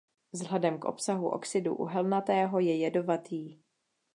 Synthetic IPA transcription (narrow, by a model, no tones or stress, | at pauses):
zɦlɛdɛmkʔo̞̰psaɦuʔo̞̰ksɪdṵʔṵɦɛlnat̪ɛːɦo̞jɛjɛdo̞vat̪iː